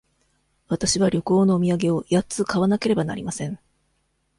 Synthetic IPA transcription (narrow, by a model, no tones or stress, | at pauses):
βat̪aɕiβaɾʲjo̞kɯo̞ːno̞ːmʲiaɡe̞o̞jat͡sɨkaβ̞anake̞ɾe̞bana̰ɾʲimasẽ̞ŋ